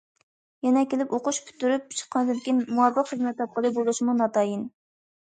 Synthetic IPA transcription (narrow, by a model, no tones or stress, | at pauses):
jɛnɛkʲelɪpoqʊʃpʰy̥t̪ːyɾyp̚t͡ʃʰə̥qʰːɑnd̪ɨɪnɪkʲinmuwɑfəqχəzmɛt̪ːɑp̚qəlˠɨbolˠuʃmunɑt̪ɑːjin